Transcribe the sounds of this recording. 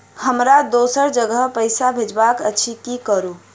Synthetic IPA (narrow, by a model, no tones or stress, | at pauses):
həmɾad̪osəɾd͡ʒəɡəɦpəɪsabʱed͡ʒbakət͡ʃʰikikəɾu